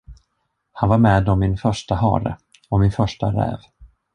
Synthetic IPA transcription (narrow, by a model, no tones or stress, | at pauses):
hanvaɾmɛːd̪ɔmːɪnfœʂʈaɦɑ̰ːɾə̰ | ɔmɪnfœʂʈaɾɛ̰ːv